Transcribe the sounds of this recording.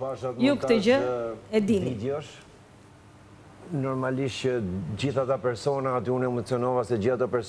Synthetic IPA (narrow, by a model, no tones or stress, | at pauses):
paʃat̪̚jukk̪t̪əd͡ʑəɛd̪invid̪jɔʃ | nɔɾmaliʃt͡ɕəd͡ʑiθat̪apɛɾsɔnaːt̪iunɛmɔt͡sjɔnɔvasɛd͡ʑiθat̪ɔpɛɾs